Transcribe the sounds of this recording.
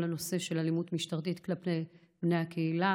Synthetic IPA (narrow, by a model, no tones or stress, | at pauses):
lano̞se̞ʃe̞lalimutmiʃtaʁt̪̬it̪klapej | bnejhakʰeila